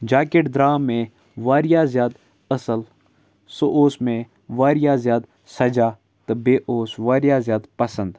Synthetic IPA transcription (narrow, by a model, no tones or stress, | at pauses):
d͡ʒaːkeʈd̪ɾaːmːẽ | ʋaːɾɪjaːzjaːd̪ | əsəl | soʔoːsmẽ | ʋaːɾɪjaːzjaːd̪ | sɐd͡ʒaː | t̪ɨbeːʔoːsʋaːɾjaːzjaːd̪pɐsə̃nd̪